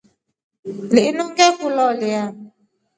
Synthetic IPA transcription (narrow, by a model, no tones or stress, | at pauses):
lɪinɔŋɡɛkulɔlɪa